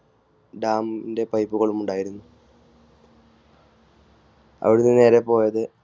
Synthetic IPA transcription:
ɖaːminde̞pɐjpːuɣɐɭumuɳɖaːjiɾunːu | ɐ̰ʋiɽunːene̞ːɾepo̞ːjɐðɨ

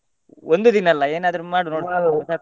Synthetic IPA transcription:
ond̪ud̪inɐɐlːɐeːnaːd̪ɐɾumaːɽunoːɽsa

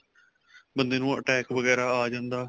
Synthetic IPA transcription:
bənd̪eːnũːə̰ʈɛːkʋəɣɛːɾaːaːd͡ʒãːnd̪aː

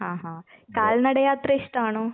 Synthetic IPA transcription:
ɦãːɦãkaːlnɐɽɐjaːt̪ɾɐiʂʈaːɳuː

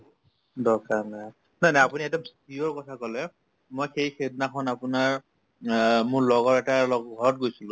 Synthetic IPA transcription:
dɔkanaj | najnajapuniɛtɔmstijɔɹkɔtʰakɔlɛ | mojxejxednakʰɔnapʊnaɹ | mʊɹlɔɡɔɹɛtalɔɡɡʱɔɹɔt̚ɡojsilʊ̃

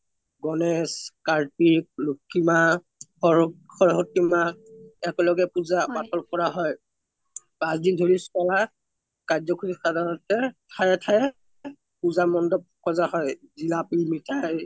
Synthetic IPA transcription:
ɡɔnɛskaɹpik̚lukʰːima | ɔ | xɔɹɦɔtimaɛkɔlɔɡɛpuzapatʰɔlkɔɹaɦɔj | pãsdindʱoɹiskala | kazɔkʰuɹixadʱanɔtɛtʰajɛtʰajɛ | puzamɔndɔp̚kɔzaɦɔjzilapimitʰaj

